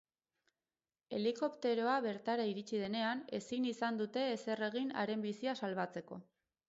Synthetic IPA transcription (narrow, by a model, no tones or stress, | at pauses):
e̞liko̞pt̪e̞ɾo̞aβe̞ɾt̪aɾaiɾit͡ʃið̞e̞ne̞ane̞̰sinisand̪ut̪e̞ːse̞re̞ɣ̞ina̰ɾe̞mbisiasalβat͡se̞ko̞